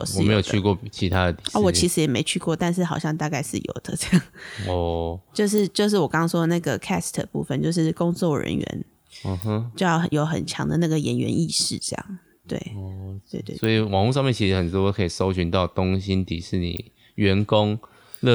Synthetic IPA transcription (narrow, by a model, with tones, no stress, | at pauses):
ɔ˨m̩˥˨e˧˦jo˨˩ʊt͡ɕʰy˥˧kwɔ˥˩t͡ɕʰi˧˥t̪ʰa˦d̪ə˨t̪i̥˨ɔ˧˦wɔ˨˩t͡ɕʰi˧˥ʂɻ̩˧˥jɛ˨˩me˧˥ɪt͡ɕʰy˥˧kwɔ˥˧t̪a˥˧nʂ̬ɻ̩˥˩xɑ˨˩ʊɕjɑ˥˧ŋt̪a˥˧ka˥˧ɪʂɻ̩˥˩jo̰˨˩ʊd̪̥ə˦ʈ͡ʂɤ˥˧jɑ˥˩ŋɔ˩t͡ɕjo˥˧ʊʂ̬ɻ̩˥˧t͡ɕjo˥˧ʊʂ̬ɻ̩˥˩wɔ˨˩kɑ˥ŋɑ˥ŋʂwɔ˥d̪ə˨na˥˩ɡə˩kʰæ˥˩st̪ʰə˨˩pṵ˥˩fə˨nt͡ɕjo˥˧ʊʂ̬ɻ̩˥˩kʊ˥ŋt͡swɔ˥˩ɻə̰˧˥nɥɛ̰˧˥˦n | ə˧ɦə˦t͡ɕo˥˧jɑ˥˩ʊ˩jo˧˥ʊxə̰˨˩nt͡ɕʰjɑ̰˧˥ŋd̪ə̰˧na˥˩ɡə˩jɛ˧˥nɥɛ̰˧˦ni˥˧ʂɻ̩̰˥˧ʈ͡ʂɤ˥˧jɑ̰˥˩ŋ | t̪wḛ˥˩ɪt̪we˥˧ɪt̪wḛ˥˧swɔ˧˥i˨˩wɑ˨˩ŋxu˥˧ʂ̬ɑ˥˧ŋmjnt͡ɕʰi˧˥ʂɻ̩˧˥xə˨˩nt̪wɔ˥˦kʰə˧˥i˨˩ʂo˥ʊɕy˧˦nt̪ɑ˥˩ʊt̪ʊ˥˦ŋɕi˦˥nt̪i˨˩ʂɻ̩˥˩nḭ˨˩ | ɥɛ˧˥nkʊ˦ŋ | lə˥˧